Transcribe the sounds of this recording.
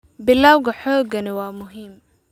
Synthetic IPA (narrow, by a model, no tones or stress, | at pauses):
bɪlːaːwɣɐħɔːɡɐnɪwaːmʊɦiːm